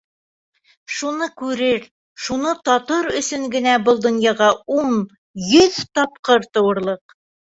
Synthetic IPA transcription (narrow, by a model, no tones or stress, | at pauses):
ʃunɤkʉɾɘɾ | ʃunɤt̪ɒt̪ɤɾɵ̆sɵŋɡɘ̆næbɤlˠd̪ŏnjɑʁɑuɴ | jɵðt̪ɒpqɤɾt̪ɤ̆wɤ̆ɾlˠɤq